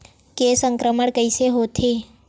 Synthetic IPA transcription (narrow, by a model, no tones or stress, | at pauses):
kesəŋkɾəməɳkəijseɦot̪ʰe